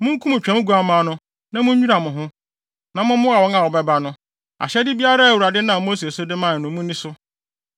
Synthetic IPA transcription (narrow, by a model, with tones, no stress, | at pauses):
mʊ̃˦ŋ̩˦kʰũ˦mʊ̃˨t͡ɕᶣɛ̃˨˦ɡu˦a˨mãː˨˦nʊ̃˦ | nã˦mʊ̃˦ɲu˦ɾa˨mʊ̃˨ɦʊ̃˦ | nã˨mʊ̃˦mʊ̃˦a˨wɔ̃˦ŋa˨wɔ˨bɛ˦ba˦nʊ̃˦ | a̰˨ɕɛ˦dɪ˦bi˦a˦ɾa˦a˨wu˨ɾa˨dɪ˦nã˨mo˦s̬e˨so˦dɪ˦mã˦˨nʊ̃˨mũ˦nĩ˦sʊ˦